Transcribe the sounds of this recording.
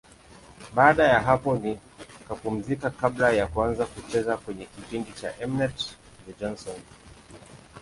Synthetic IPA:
ɓaːɗajaɦapɔni | kapum̩zikakaɓlajakuanzakut͡ʃɛzakwɛɲɛkipiŋɡit͡ʃa̰ʔɛmnɛt | jad͡ʒɔnsɔn

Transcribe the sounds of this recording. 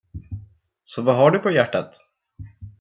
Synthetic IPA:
sɔvaɦaɖɵpʰɔjæʈːat̪

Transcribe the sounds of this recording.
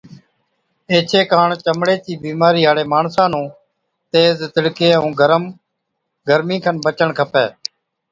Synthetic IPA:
eːt͡ʃʰeːkaːɳt͡ʃəmɽeːt͡ʃiːbiːmaːɾiːɦaːɽeːmaːɳsãːnũː | t̪eːzt̪əɽkeːəũːɡəɾəm | ɡəɾmĩːkʰənbət͡ʃəɳkʰəpeː

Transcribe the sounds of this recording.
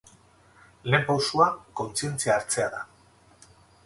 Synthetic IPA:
le̞ːmpawsuako̞nt͡sie̞nt͡siaːɾt͡se̞aða

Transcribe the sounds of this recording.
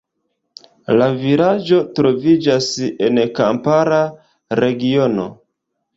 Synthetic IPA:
laviɾad͡ʒo̞tɾo̞vid͡ʒase̞nkampaɾa | ɾe̞ɡiono̞̰

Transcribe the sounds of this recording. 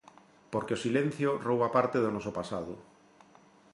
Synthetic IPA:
poɾkeosilen̟θjorowβapaɾt̪eðonɔsopasaðo̰

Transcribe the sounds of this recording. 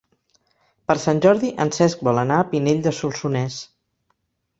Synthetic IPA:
pəɾsanʲʒɔɾðiʔənsɛsk̚bɔlˠənaəpineʎʲd̪əsulˠsunɛs

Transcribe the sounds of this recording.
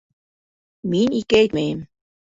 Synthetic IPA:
minikejt̪mem

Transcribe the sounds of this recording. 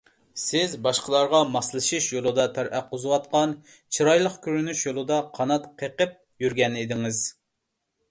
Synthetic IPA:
sɪzbɑʃqʰəlˠɑɾʁɑmɑslˠɨʃiʃjolˠɨd̪ɑt̪ʰæɾʔæqːʊzɨwɑt̪̚qɑn | t͡ʃʰiɾɑjlˠəqkʲʰøɾynyʃjolˠɨd̪ɑqʰɑnɑt̪qʰeqəp̚ | jyɾɡʲɛned̪ɪŋɪz̥

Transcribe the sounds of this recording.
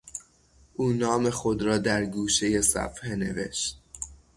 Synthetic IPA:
ʔuːnɒːme̞xod̪ɾɒːd̪æɾɡuːʃe̞je̞sæ̰fhene̞̰vḛʃt̪̚

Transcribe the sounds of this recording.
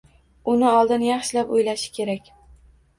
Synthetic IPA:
ʊnɪɒlˠd̪ɪnjɑχʃɪlapojlaʃɪ̥kʲʰe̞ɾakʲ

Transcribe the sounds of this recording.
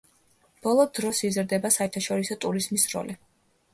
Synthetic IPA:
b̥ɔlˠɔd̪ɾɔsizɾd̪ɛbasaɛɾt̪ʰaʃɔɾisɔt̪ʼuɾizmisɾɔ̰li

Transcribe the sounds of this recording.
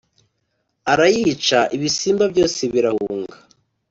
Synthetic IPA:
aɾajit͡ʃaʔiβisiːmbabjo̞ːseβiɾahuːŋɡa

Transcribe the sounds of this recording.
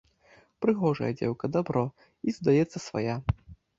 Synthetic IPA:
pɾɨɣɔʐɐ̰jɐ̰d͡zʲɛ̰wkɐd̪abɾɔ | izd̪ajɛt̪sːɐsva̰ja

